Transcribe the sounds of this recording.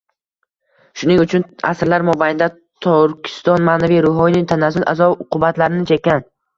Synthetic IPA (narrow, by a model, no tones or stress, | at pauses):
ʃʊnɪŋʊt͡ʃʰʊna̰sɾlaɾmɒbajɪnd̪a | t̪ʰɒɾkʲʰɪ̥st̪ɒnmaːnavijɾʊɦɒjnɪŋt̪ʰanazɪla̰zɒbʊqʰʊbat̪laɾɪnɪt͡ʃʰekʲːan